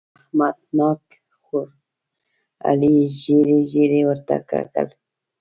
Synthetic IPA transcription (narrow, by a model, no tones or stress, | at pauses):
ahmad̪̚nak | xʊɾ | a̰liʒeɾeʒeɾewəɾt̪a̰ka̰kə̰l